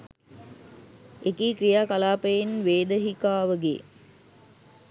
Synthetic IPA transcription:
ekiːkɾijaːkalaːpəjinʋeːd̪əɦikaːʋəɡḛ

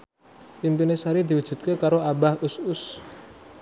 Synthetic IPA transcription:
pimpinesaɾid̪i̤wud̥ʒ̥ṳt̪̚kekaɾoʔabahʊsʊs

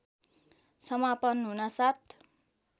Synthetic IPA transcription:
sʌmapʌnɦunasat̪̚ʰ

